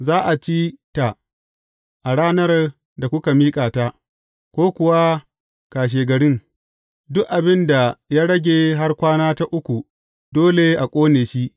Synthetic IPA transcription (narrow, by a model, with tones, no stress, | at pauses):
zaː˦ʔa˨t͡ʃiː˦ta˨ | ʔa˨ɽaː˦nɐ˦r | da˨kʷʊ˦ka˨miː˦kʼaː˨ta˦ | kʷoː˦kʷʊ˨wa˦ | kaː˨ʃ̬eː˨ɡɐ˨ɽɪ˦ŋ | dʊ˦kʔa˨bɪ˦nda˨jaː˦ɽɐ˦ɡʲeː˨ɦa˦rkʷaː˦naː˦ta˦ʔʊ˦kʷu˨ | doː˦le˨ʔa˨kʷʼoː˦neː˨ʃi˦ʔ